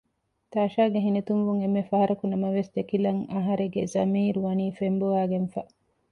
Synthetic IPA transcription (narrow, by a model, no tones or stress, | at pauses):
t̪aːʃaːɡeɦinit̪unʋuŋemːefɐɦɐɾɐkunɐmɐʋesd̪ekilɐŋɐɦɐɾeɡezɐmiːɾuʋɐniːfembuʋaːɡenfɐ